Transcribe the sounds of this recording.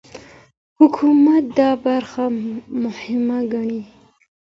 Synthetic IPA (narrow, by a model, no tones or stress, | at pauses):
hʊkʰumat̪̚d̪ɑbaɾxamʊhɪmaɡaɳi